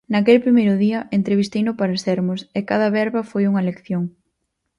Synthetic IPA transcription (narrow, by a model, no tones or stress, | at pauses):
nɐkelpɾimejɾʊðiɐʔent̪ɾeβ̞ist̪ejnʊpaɾasɛɾmʊsekaðɐβɛɾβɐfojuŋɐlekθjoŋ